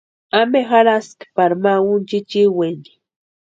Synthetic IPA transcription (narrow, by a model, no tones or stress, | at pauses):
amexaɾaskpaɾmaunt͡ʃit͡ʃiweni̥